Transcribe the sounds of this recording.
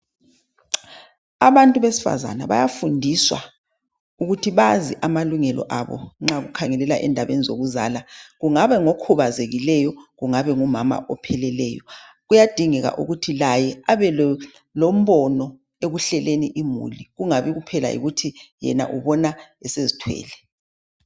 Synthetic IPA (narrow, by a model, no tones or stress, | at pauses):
aβantʼuβesi̥fa̰za̰naβa̰jafundʱiswa | uɣutʰiβaziʔamaluŋɛlʔɔ̰ʔaβɔ̰ŋ͡ǁaɣukʰaŋɛlɛlaʔɛ̰ndʱaβenizoɣuza̰laɣuŋaβɛŋokʰuβazeɣilɛjɔɣuŋaβɛŋumama̰ʔɔpʰɛlɛlɛjɔ̰ɣujad̥ʱiŋɛɣa̰ʔṵɣutʰilajɛaβɛ | lom̩βɔnɔ | eɣuɬɛleniʔimṵliɣuŋaβiɣupʰɛla̰ḭɣutʰijɛ̰na̰ʔuβɔnaɛsezitʰwɛ̰ːlɛ